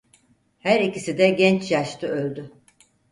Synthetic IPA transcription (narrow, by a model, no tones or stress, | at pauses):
hæɾicisid̪ɛɟɛnt͡ʃjaʃt̪ʰɯølʲd̪y